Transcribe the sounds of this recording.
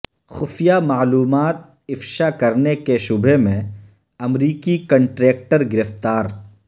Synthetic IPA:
xʊfijamaːluːmaːt̪̚ | ɪfʃakɐɾnekeʃʊbʱemẽ | ɐmɾiːkikɐ̃ɳʈɾeːk̚ʈəɾɡɪɾəft̪aːɾ

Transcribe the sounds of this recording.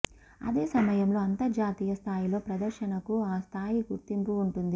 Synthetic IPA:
ɐ̰d̪eːsɐmɐjɐmlo̞ːɐnt̪ɐd͡ʒaːt̪iːjɐst̪ʰaːjilo̞ːpɾɐd̪ɐɾʃɐnɐkuaːst̪ʰaːjiɡuɾt̪impuːɳʈund̪i

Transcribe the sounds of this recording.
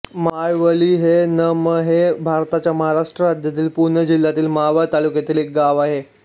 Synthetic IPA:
majʋəliːɦenəməɦebʱaɾt̪at͡ɕjaməɦaɾaʂʈɾəad̪ʱjat̪iːlpuɾɳəd͡ʑil̤ːat̪iːlmaʋət̪alukjat̪iːlek̚ɡaʋaɦe

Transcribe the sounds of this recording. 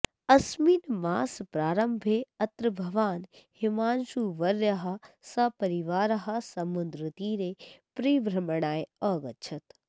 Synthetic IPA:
ɐsmiːnmaːspɾaːɾəmbʱeɐt̪ɾbʱɐʋaːnhɪmaːnʃuːʋɐɾəɦasɐpɐɾiʋaːɾɦasɐmʊnd̪ɾɨt̪iːɾeːpɾiːʋɾɐməɽ̃aːeɔːɡɐt͡ʃʰɐt̪

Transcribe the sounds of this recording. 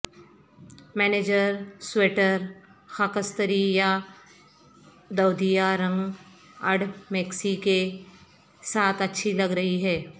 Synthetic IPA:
mɛːneːd͡ʒəɾsweːʈəɾxakəst̪əɾija | d̪ɐwd̪ijaɾɐ̃ŋɡ | ɐɽmeːksike | saːt̪ʰɐtːʃʰilɐɡɾɐɦiɦɛː

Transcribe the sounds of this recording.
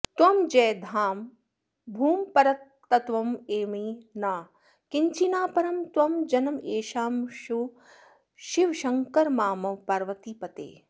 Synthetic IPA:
t̪wɐmd͡ʒɛːd̪ʱaːm | bʱuːmpɐɾɐt̪ː | ɐt̪ʋɐmeːmiːnaː | kiɲt͡ʃinaːpɐɾɐmt̪wɐmd͡ʒɐnɐmeːʃaːmʃu | ʃiʋʃɐŋkɐɾmaːmɐʋpɐɾʋɐt̪ipɐt̪ḛː

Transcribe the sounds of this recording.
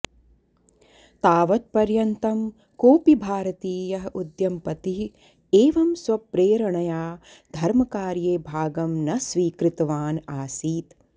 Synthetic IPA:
t̪aːʋɐt̪̚pɐɾjɐnt̪ɐm | koːpibʱaːɾɐt̪iːjɐɦɐʔud̪jɐmpɐt̪iɦ | eːʋɐmsʋɐpɾeːɾɐɳɐjaː | d̪ʱɐɾmɐkaːɾjeːbʱaːɡɐmnɐsʋiːkɾɪt̪ɐʋaːnaːsiːt̪

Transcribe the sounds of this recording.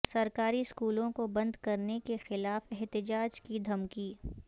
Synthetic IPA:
sɐɾkaːɾiskuːlõkobɐ̃nd̪kɐɾnekexɪlaːfɛɦt̪ɪd͡ʒaːd͡ʒkid̪ʱɐmkiː

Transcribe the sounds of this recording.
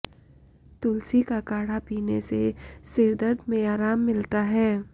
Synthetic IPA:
t̪ʊlsikakaːɽ̤apiːnesesɪɾd̪əɾd̪mẽaːɾaːmːɪlt̪aɦɛː

